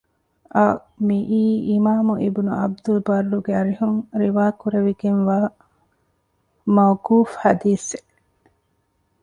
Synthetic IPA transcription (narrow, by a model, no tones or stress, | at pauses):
ʔɐ | miʔiːimaːmuʔibunuʔɐ̰b̚d̪ulbɐɾːuɡeɐɾihuŋɾiʋaːkuɾeʋiɡeŋʋaː | mɐwkuːfhɐd̪iːse